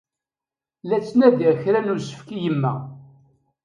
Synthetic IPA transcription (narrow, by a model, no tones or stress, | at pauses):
læt͡sːnæðiçɾænʊɾsə̥fkijəmːæ